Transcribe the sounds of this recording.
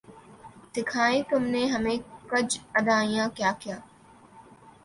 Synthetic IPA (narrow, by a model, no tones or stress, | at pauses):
d̪̥ɪkʰaːẽt̪ʊmneɦɐmẽkɐd͡ʒɐd̪aːĩjãkjaːkijaː